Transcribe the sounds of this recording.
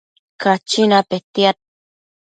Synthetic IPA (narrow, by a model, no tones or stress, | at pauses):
kat͡ʃinapet̪jat̪̚